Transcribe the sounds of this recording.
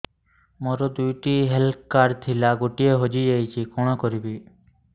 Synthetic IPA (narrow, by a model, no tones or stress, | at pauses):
moɾɔd̪ujʈiɦelpkaɾt̪ʰilaɡoʈieɦod͡ʒid͡ʒejt͡ʃʰikɔɽ̃ɔkoɾibi